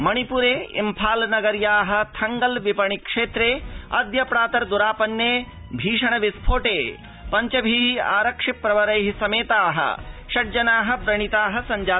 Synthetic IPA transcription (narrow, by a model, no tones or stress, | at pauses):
mɐɽ̃ipuɾeːḭmpʰaːlnɐɡɐɾjaːɦɐ̆t̪ʰɐŋɡɐlʋipɐɳ̃ikʂeːt̪ɾeːɐ̰d̪jɐpɾaːt̪ɐɾd̪uɾaːpɐnːeː | bʱiːʂɐɳ̃ɐʋispʰoːʈeː | pɐɲt͡ʃɐbʱiːa̰ːɾɐkʂipːɾɐʋɐɾɐjɦisɐmeːt̪aːɦɐ̰ʃɐʈ̚d͡ʒɐnaːɦɐ̆bɾɐɳ̃it̪aːɦɐ̆sɐɲd͡ʒaː